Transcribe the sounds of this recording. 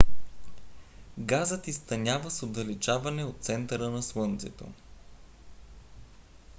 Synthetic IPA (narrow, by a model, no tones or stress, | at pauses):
ɡazət̪ist̪ɐnʲavəsod̪ɐlit͡ʃavɐnɛot̪t̪sɛnt̪ɐɾənɐslˠɤnt̪sɛt̪o̰